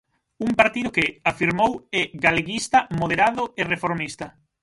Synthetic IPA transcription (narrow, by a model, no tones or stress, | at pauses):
uŋpaɾt̪iðʊkɪafiɾmowɛɣaleɣist̪ɐmoðeɾaðʊerefoɾmist̪ɐ